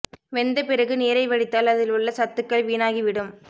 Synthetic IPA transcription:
ʋɛnd̪ɐpɪɾɐɣɯneːɾɐɪʋɐɽɪt̪ːaːlɐðɪlʊɭːɐsɐt̪ːɯkːɐɭʋiːnaːɣiʋɪɽɯm

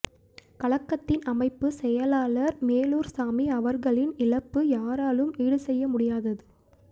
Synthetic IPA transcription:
kɐɭɐkːɐt̪ːɪnɐmɐɪpːɯsɛjɐlaːɭɐɾmeːluːɾsaːmiɐʋɐɾɣɐɭɪnɪlɐpːɯjaːɾaːlɯmiːɽɯsɛjːɐmʊɽɪjaːðɐðɯ

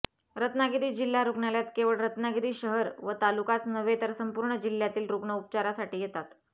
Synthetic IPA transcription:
ɾət̪naɡiɾiːd͡ʑilːaɾuɡɳaljat̪keʋəɭɾət̪naɡiɾiːɕəɦəɾʋət̪alukat͡snəʋet̪əɾsəmpuːɾɳəd͡ʑil̤ːjat̪iːlɾuɡɳəup̚t͡ɕaɾasaʈiːjet̪at̪

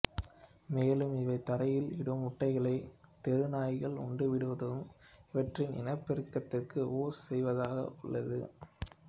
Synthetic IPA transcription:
meːlɯmɪʋɐɪt̪ːɐɾɐjɪlɪɽɯmʊʈːɐɪɣɐɭɐɪt̪ɛɾɯnaːjɣɐɭʊ̰ɳɖɯʋɪɽɯʋɐðɐɯmɪʋɐʈrɪnɪ̰nɐɪpːɪɾɯkːɐt̪ːɪrkɯoːɾsɛjʋɐðaːɣɐ̰ʔʊɭːɐðɯ̰

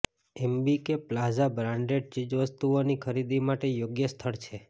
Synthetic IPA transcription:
ɛmbikeplazabɾãɳɖeɖ̚t͡ʃid͡ʒʋəst̪uonikʰəɾid̪imaʈejoɡjəst̪ʰəɭt͡ʃʰe

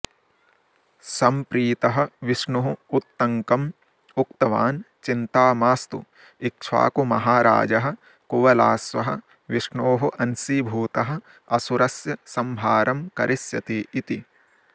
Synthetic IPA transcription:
sɐmpɾiːt̪ɐɦɐ̆ʋɪʂɳuɦuut̪ːɐŋkɐm | ʊk̚t̪ɐʋa̰ːn | t͡ʃint̪aːmaːst̪ṵ | ɪk̚t͡ʃʰa̰ːkumɐɦaːɾa̰ːd͡ʒɐɦɐ̆ | kuʋɐla̰ːsʋɐ̰ɦɐ̰̆ | ʋiʂɳoːɦuʔɐnsibʱuːt̪ɐɦɐ̆ | ɐsuɾɐsjɐsɐmbʱaːɾɐmkɐɾʔɪsjɐt̪eːʔit̪i

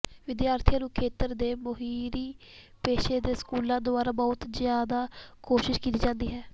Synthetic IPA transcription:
ʋɪd̪jaːɾt̪ʰijãːnũːkʰeːt̪əɾd̪eːmʊɦiːɾiː | peːʃeːd̪eːskuːlãːd̪oaːɾaːbɔːt̪zjaːd̪aːkoːʃɪʃkit̪iːd͡ʒãːnd̪iːɦɛː

